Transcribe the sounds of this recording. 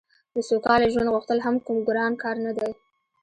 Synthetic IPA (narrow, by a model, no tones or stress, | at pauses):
d̪əsokɑleʒwand̪ɣuxt̪əlɦamkumɡɾɑnkɑɾnad̪aj